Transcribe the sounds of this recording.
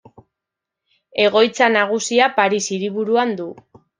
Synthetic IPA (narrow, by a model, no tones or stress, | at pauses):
e̞ɣ̞o̞jt͡sanaɣ̞usiapaɾisiɾiβuɾuand̪u